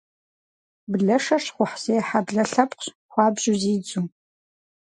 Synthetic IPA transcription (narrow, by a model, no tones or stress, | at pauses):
bɮɐʂɐʂχʷʊħseːħabɮɐɬɐpqʷɕ | xʷɑːbʑʊziːd͡zuː